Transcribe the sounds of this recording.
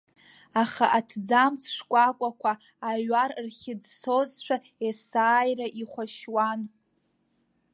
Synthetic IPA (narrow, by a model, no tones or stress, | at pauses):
aχa̰ʔatʰd͡zamsʂkʷʼakʷʼakʷʰaː | ɥarrχʲɪd͡zsozʃʷᶣa | esaːjraʔiχʷaʃwan